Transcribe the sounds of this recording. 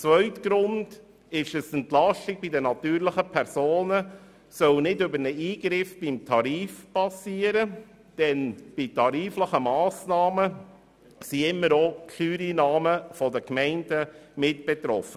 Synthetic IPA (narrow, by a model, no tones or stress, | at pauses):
t͡svœʏtɡ̥ɾʊnd | ɪʃəsɛntlɑʃtɪɡ̚b̥idənɑt̪yːɾləχəpʰɛɾsoːnə | sœlnɪdʏbəɾnəiːɡɾɪfb̥imtʰɑɾiːfpɑsiːəɾə | d̥ɛnb̥itʰɑɾiːfləχəmɑːsnɑːmə | siɪmːəɾokʰlyːɾinɑːməfɔdəkmɛɪndəmɪtb̥ɛt̪ɾɔfə